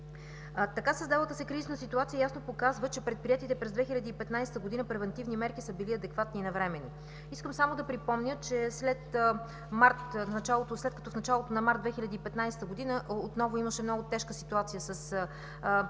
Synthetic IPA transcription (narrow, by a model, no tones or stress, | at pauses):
t̪ɐkasəzd̪avˠət̪əsɛkɾizinəsit̪uat̪sijəjasnopokazvət͡ʃɛpɾɛt̪̚pɾiɛt̪it̪ɛpɾɛzd̪vɛxilʲɐd̪iːpɛt̪najsɛ̥t̪əɡod̪inəpɾɛvɛnt̪ivnimɛɾkisəbiliɐd̪ɛkvat̪niːnɐvɾɛmɛni | iskəmsamod̪ɐpɾipɔmnʲət͡ʃɛslɛt̪ | maɾt̪nɐt͡ʃalˠot̪oslɛt̪kɐt̪ɔfnɐt͡ʃalˠot̪onɐmaɾt̪d̪vɛxilʲɐd̪iːpɛt̪najsɛ̥t̪əɡod̪inəʔot̪nɔvoiməʃɛmnɔɡʊt̪ɛʃkəsit̪uat̪sijəsəs